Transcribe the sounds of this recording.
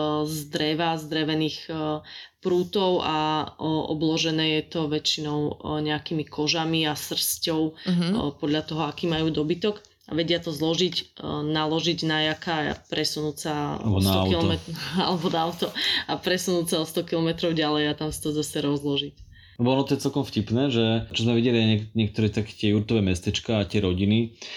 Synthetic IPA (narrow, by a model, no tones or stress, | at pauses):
zd̪ɾɛʋazd̪ɾɛʋɛniːx | pɾuːt̪ɔʊʔaʔɔ̰blɔʒɛnɛːjɛt̪ɔʋɛt͡ʃinɔʊɲɛakiːmikʰɔʒamiasr̩scɔʊpɔd̪ʎat̪ɔɦɔakiːmajuːd̪ɔbit̪ɔɡ | a̰ʋɛɟɪat̪ɔzlɔʒicnalɔʒiɟnajakaa̰pɾɛsunuːsaɔntaɔkilɔmɛt̪a̰lɛbɔnaaʊt̪ɔapɾɛsunuːt͡saɔst̪ɔkilɔmɛt̪ɾɔʊɟalɛjat̪amsḁt̪ɔzasɛɾɔzlɔʒic | lɛbɔɔnɔt̪ɔjɛt͡sɛlkɔmfcipnɛːʒɛt͡ʃɔzmɛʋiɟɛliaɛɲɛk̚t̪ɔɾɛt̪akɛ̥t̪ɪɛjuɾt̪ɔʋɛmɛst̪ɛt͡ʃkaːt̪ɪɛɾɔɟini